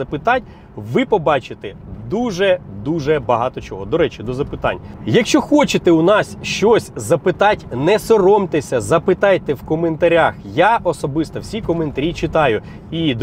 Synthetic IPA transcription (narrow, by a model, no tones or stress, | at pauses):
ɐpɪt̪ɑt̚ʲ | ʋɪpɔbɑt͡ʃɪt̪ɛd̪uʒɛd̪uʒɛbɐɦɑt̪ɔt͡ʃɔɦɔd̪ɔɾɛt͡ʃid̪ɔzɐpɪt̪ɑ̰nʲjɐkʃt͡ʃɔxɔt͡ʃɪt̪ɛʊnɑsʲʃt͡ʃɔsʲzɐpɪt̪ɑtʲnɛsɔrɔmt̪esʲɐzɐpɪt̪ɑjt̪ɛwkɔment̪ɐɾʲaxjaʔɔsɔbɪst̪ɐwsʲikɔment̪ɐɾʲit͡ʃɪt̪ɑjʊ | id̪